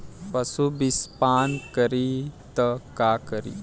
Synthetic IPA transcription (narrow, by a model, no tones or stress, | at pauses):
pəsubispankəɾit̪əkakəɾḭ